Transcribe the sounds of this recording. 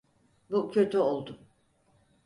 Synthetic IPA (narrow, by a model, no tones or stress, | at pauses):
bucʰøt̪ʰyolˠd̪ʊm